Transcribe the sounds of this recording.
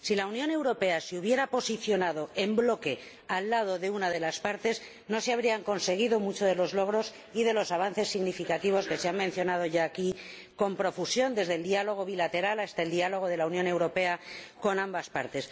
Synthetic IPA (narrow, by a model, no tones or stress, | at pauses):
silaunjõ̞ne̞wɾope̞aseuβje̞ɾapo̞siθjo̞naðo̞e̞mblo̞ke̞ | alːað̞o̞ðe̞unaðe̞laspaɾt̪e̞z | no̞seaβ̞ɾiaŋko̞nse̞ɣ̞iðo̞mut͡ʃo̞ðe̞lo̞zlo̞ɣ̞ɾo̞s | iðe̞lo̞saβ̞anθe̞sːiɣnifikat̪iβ̞o̞ske̞seammẽnθjo̞nað̞oʝaːki | ko̞mpɾo̞fusjo̞nd̪e̞zðe̞ld̪ialo̞ɣ̞o̞β̞ilat̪e̞ɾalast̪aeld̪ialo̞ɣ̞o̞ðe̞launjõne̞wɾo̞pe̞ako̞nãmbaspaɾt̪e̞s